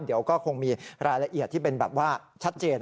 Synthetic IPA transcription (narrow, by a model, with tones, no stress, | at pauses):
d̪i˩˦əwkɔː˥˩kʰo˧ŋmiː˧ɾaː˧jla˧ʔi˨˩ət̪ʰːiː˥˩pe˧nbɛ̰ː˨˩p̚waː˥˩t͡ɕʰa˦˥t̪̚t͡ɕeː˧n